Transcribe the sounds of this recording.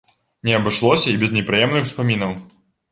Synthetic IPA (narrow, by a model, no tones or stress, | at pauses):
nʲɛɐbɨʂlˠɔsʲɐibʲɛznʲɛpɾɨjɛmnɨxwspamʲinɐw